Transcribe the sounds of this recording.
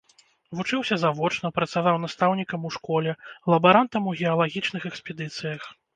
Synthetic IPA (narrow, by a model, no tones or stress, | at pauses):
vut͡ʂɨwsʲɐzavɔt͡ʂnɐpɾɐt̪savawnast̪awnʲikɐmuʂkɔlʲɛlˠɐbaɾant̪ɐmuɣʲɛɐlˠaɣʲit͡ʂn̪ɨxɛkspʲɛd̪ɨt̪sɨjɐx